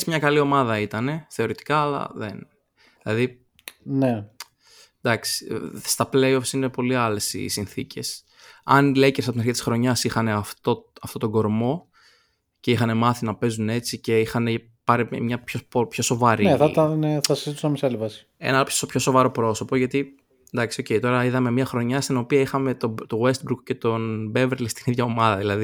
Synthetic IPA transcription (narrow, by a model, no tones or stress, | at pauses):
smɲɐkɐlio̞mɐðɐit̪ɐne̞θe̞o̞ɾit̪i̥kɐːlɐ̰ðḛn | ðilɐði | ne | d̪ɐksi̥st̪ɐple̞jo̞fsine̞po̞liɐle̞sḭsinθice̞s | ɐ̰nlecesɐpot̪inɐɾçit̪isxɾo̞ɲɐsixɐne̞ɐft̪oɐft̪o̞t̪o̞ɡo̞ɾmo̞ | ceixɐne̞mɐθinɐpe̞zune̞t͡sice̞ixɐne̞ | pɐɾimɲɐpçopopço̞so̞vɐɾineθɐt̪ɐneθɐsɐzit̪usnɐmisɐlivɐsi̥ | e̞̰nɐpspço̞so̞vɐɾo̞pɾo̞so̞poʝɐt̪i | nd̪ɐksio̞ce̞jt̪o̞ɾɐiðɐme̞mɲɐxɾo̞ɲɐst̪ino̞piɐixɐme̞t̪ot̪oɣwe̞st̪̚bɾukce̞t̪o̞nbe̞veɾlist̪iniðʝɐo̞mɐðɐðilɐði